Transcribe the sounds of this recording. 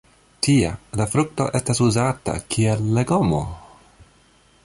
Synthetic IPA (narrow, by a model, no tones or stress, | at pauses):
tʰia̰lafɾuk̚to̞̰ʔe̞stasuzata̰kʰielːeɡomo̰